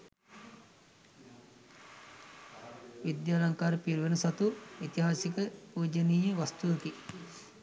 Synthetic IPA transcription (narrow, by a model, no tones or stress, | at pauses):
ʋid̪jaːlaŋkaːɾəpiɾʋenɐsat̪uit̪iɦaːsikəpuːd͡ʒəniːjəʋast̪uʋəki